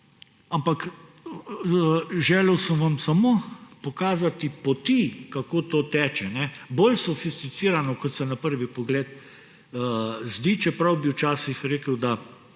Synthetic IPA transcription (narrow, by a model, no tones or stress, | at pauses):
ampak | ʒɛːlɛwsəmʋamsamopɔkaːzat̪ipɔt̪ikakoːt̪oːt̪ɛːt͡ʃɛnɛbolsɔfist̪it̪siːɾanɔkɔt̪sɛnapəɾʋipɔɡleːt̪ | zd̪it͡ʃɛpɾɐwbiwt͡ʃaːsixɾeːkəwd̪a